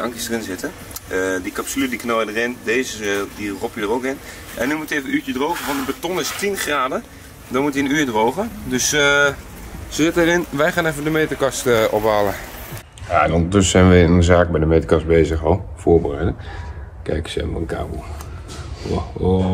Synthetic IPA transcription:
ɑŋkəsdərɪnzɪtə | ədikapsylydiknojədərɪndeːzədirɔpjədərowkɪn | ʔɛnymutevəyːt͡ʃədrowɣəʋɔntdəbətɔnɪstinχraːdə | dɔnmutiənyːdrowɣədøs | sɪtərɪnʋɛjχaːnɛfədəmejtəkɑstʔɔpʋaːlə | jaɛnɔndətʏsəɛjnʋəɪnəzaːk̚bɛjdəmejtəkɑst̚bejzəχɔlˠfoːɹbərɛjdə | kɛjksɛ̰mə̰əka̰ːbo

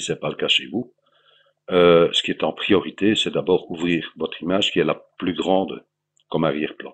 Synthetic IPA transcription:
sɛpaləkaʃevu | øsə̥kiɛt̪ɑ̃pχijɔʁit̪esɛd̪abɔːʁuvʁiːʁvɔt̪χimaːʒkʲiɛlaplyɡʁɑ̃d̪ | kɔmaʁjɛʁplɑ̰̃

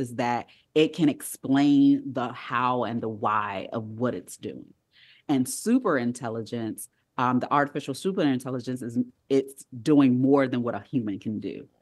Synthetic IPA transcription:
ɨzðɨɾ | ɪt̚kʰɨ̃ɾ̃ɨksplẽɪ̃nðəhaʊɨ̰̃nðəwaɪʔʌ̰vwʌɾɨtsd̥ʉ̰ɪ̰̃ŋ | ɨ̃nsʉpə˞ɨ̃ntʰɛlˠəd͡ʒɨ̃ns | ʌ̃mðiʔɑɹɾɨfɪʃl̩ˠsʉp̬ɨ̃nɨ̃ntʰɛlˠəd͡ʒɨ̃nsɨz | ɪtsd̥uɪ̃ŋmɔɹðɨ̃nwʌɾəhjʉmɨ̃nkʰɨ̃ndʉ̰

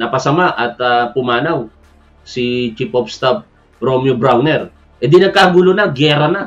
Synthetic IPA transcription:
nɐpɐsɐmaʔɐt̪ɐpʊmaːnaw | sit͡ʃipʔop̚st̪ab̚ | ɾomjobɾawnɛɾ | ʔɛd̪inɐɡ̚kaɡulonaɡɛːɾɐna

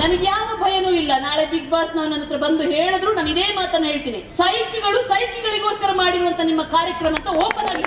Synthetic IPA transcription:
nɐnɐɡjaːʋɐbʱɐjɐnuːilːɐnaːɭebiɡ̚baːsnɐʋɐnɐnɐt̪ɾɐbɐnd̪uɦeːɭɐd̪ɾuːnaːnid̪eːmaːt̪ɐnːɐɦe̞ːɭt̪iːnisɐjkiɡɐɭusɐjkiɡɐɭiɡo̞ːskɐɾɐmaːɽiɾuʋɐnt̪ʰɐnimːɐkaːɾjɐkɾɐmɐnt̪ːɐɔːpɐnaːɡi

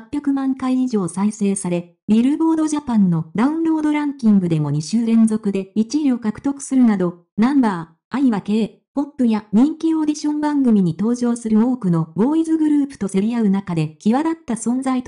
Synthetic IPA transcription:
apʲːjakɯ̟mãŋkaiːʑo̞ːsaise̞ːsaɾe̞ | bʲiɾɯ̟bo̞ːd̪o̞ʑapãnːo̞d̪aɯ̟̃nɾo̞ːd̪o̞ɾãŋkʲĩŋɡɯ̟d̪e̞mo̞ɲ̟iɕɨːɾẽ̞nzo̞kɯ̟d̪e̞it͡ɕiɾio̞kakɯ̟̥t̪o̞kɯ̥sɨɾɯ̟nad̪o̞ | nãmbaː | aiβake̞ː | po̞pːɯ̟jaɲ̟ĩŋkʲio̞d̪ʲiɕõ̞mbãŋɡɯ̟mʲiɲ̟it̪o̞ːʑo̞ːsɨɾɯ̟o̞ːkɯ̟no̞bo̞ːizɨɡɯ̟ɾɯ̟ːpɯ̟̥t̪o̞se̞ɾʲijaɯ̟nakad̪e̞kʲiβad̪at̪ːasõ̞nd͡zait̪

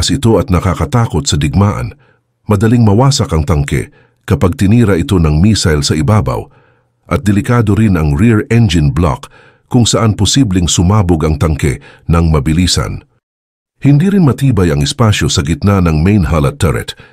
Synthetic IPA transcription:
sʔɪt̪o̞ʔɐt̪̚nɐkakɐt̪aːko̞t̪̚sɐd̪ɪɡ̚maːʔɐ̰n | mɐd̪ɐliŋmɐwaːsɐkɐŋt̪ɐŋkɛ̰ | kɐpaɡ̚t̪ɪniːɾɐʔɪt̪o̞nɐŋmiːsɐjlsɐʔɪbaːba̰w | ʔɐt̪̚d̪ɪlɪkaːd̪o̞ɾɪnɐŋɹiɹɛnd͡ʒɪnbla̰k | kːʊŋsɐʔanpʊsiblɪŋsʊmaːboɡɐŋt̪ɐŋkɛ̰nɐŋmɐbɪliːsɐ̰n | hɪnd̪iːɾɪnmɐt̪iːbɐjɐŋɪspaʃjo̞sɐɡɪt̪nanɐŋmɛjnɦɐlɐtt̪ːɛɹɛ̰t̪

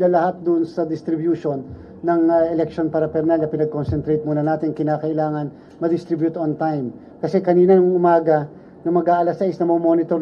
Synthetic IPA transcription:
lalɐhat̪̚d̪ʊnsɐd̪ɪst̪ɾɪbjuʃonː | ɐŋʔɛlɛkʃonpɐɾɐpɛɾnalnɐpɪnɐɡ̚konsɛnt̪ɾɛjt̪̚muːnɐnaːt̪ɪŋkɪnaːkɐʔɪlaːŋɐn | mɐd̪ɪst̪ɾɪbjut̪ont̪ajm | kɐsɛkɐniːnɐnɐŋŋʔʊmaːɡɐ | nɐmɐɡaːʔɐlasɐʔɪsnɐmomo̞ːnɪt̪oɾ

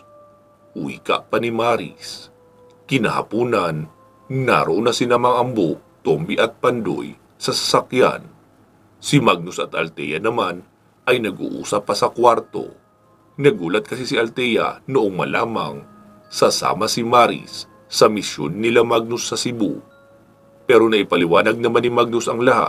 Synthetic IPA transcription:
uḭka̰ʔpanimaːɾɪ̰s | kɪnahɐ̰puːnɐn | na̰ɾoʔonɐsɪlamɐŋʔɐmbot̪ombiʔɐt̪̚pɐnd̪o̰j | sɐsɐ̥sakja̰n | sɪmaɡ̚nʊsɐt̪ʔɐ̰lt̪ɛ̰jɐ̰nɐman | ʔɐjnɐɡʔṵːʔṵːsɐpːɐsɐkwaɾt̪o̞̰ | nɐɡuːlɐt̪̚kɐsisiʔɐlt̪ɛjɐ̰nʊʔoŋmɐ̰la̰ːmɐ̰ŋ | sɐsa̰ːmɐsɪmaːɾɪ̰sː | ɐmɪsjo̰nːɪlamaɡ̚nʊsːɐsɪbṵ | pɛːɾo̞nɐʔɪpɐlɪwaːnɐɡ̚nɐmanɪmaɡ̚nʊsɐŋlɐha̰t̪̚

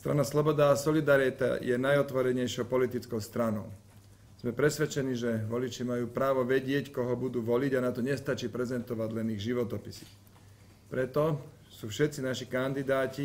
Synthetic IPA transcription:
st̪ɾa̰naslɔbɔd̪aːsɔlid̪aɾit̪a̰jɛnajɔt̪ʋɔɾɛɲɛjʃɪɔʊpɔlit̪it͡skɔʊst̪ɾanɔʊ | z̥mɛpɾɛsʋɛt͡ʃɛniːʒɛʋɔlit͡ʃimajuːpɾaːʋɔʋɛɟɪɛckɔɦɔbud̪uːʋɔliɟanat̪ɔɲɛst̪at͡ʃiːpɾɛzɛnt̪ɔʋaɟlɛniɣʒiʋɔt̪ɔpisi̥x | pɾɛt̪ɔ | suːfʃɛt̪t͡sinaʃikand̪id̪aːci

